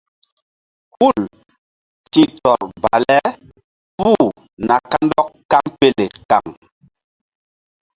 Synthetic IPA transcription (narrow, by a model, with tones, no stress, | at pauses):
hu˦˨l | ti˦tɔ˨ɾba̰˨lɛ˦ | pu˦˨ | na˨ka˦ndɔ˦kːa˦mpe˦˨le˨ka̰˨ŋ